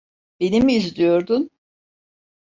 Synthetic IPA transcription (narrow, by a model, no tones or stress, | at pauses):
be̞nimiːzd̪ijo̞ɾd̪un